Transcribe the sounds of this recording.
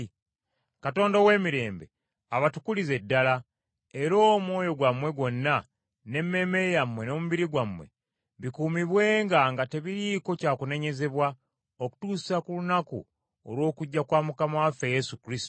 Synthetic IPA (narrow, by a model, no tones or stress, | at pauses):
kato̞ːndowe̞ːmiɾe̞ːmbe̞̰ | aβatukulize̞dːala | e̞ɾo̞ːmwo̞ːjo̞ɡwamwe̞ɡo̞nːa | ne̞mːe̞me̞jamwe̞no̞muβiɾiɡwamwe̞̰ | βikuːmiβwe̞ːŋɡaŋɡate̞βiɾiːko̞caːkune̞ɲe̞ze̞βwa | oku̥tuːsi̥sakulunakṵ | o̰lwo̞ːkuɟːakwaːmukamawafeje̞sukɾisto̥